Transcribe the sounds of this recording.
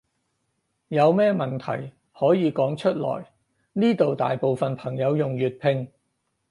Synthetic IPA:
jɐ˨˧wmɛː˥mɐ˨˩nt̪ʰɐ̰˨˩j | hɔː˨˥jiː˨˧kɔː˨˥ŋt͡ʃʰɵ˥t̚lɔ̰ː˨˩j | niː˥t̪o˨wt̪a̰ː˨jpo˨wfɐ˨npʰɐ˨˩ŋjɐ˨˧wjʊ˨ŋjyː˨t̚pʰɪ˧ŋ

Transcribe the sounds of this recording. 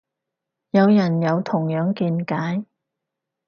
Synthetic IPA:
jɐ˨˧wjɐ˨˩njɐ˨˧wt̪ʰʊ˨˩ŋjœː˨˥ŋkiː˧nkaː˨˥j

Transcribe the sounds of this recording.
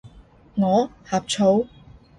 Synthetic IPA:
ŋɔː˨˧haː˨p̚t͡ʃʰo˨˥w

